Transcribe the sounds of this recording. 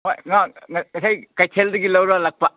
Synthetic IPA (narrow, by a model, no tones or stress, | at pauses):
maŋaŋɐɐsajkajtʰeldɐɡilɐwɾalɐk̚pɐ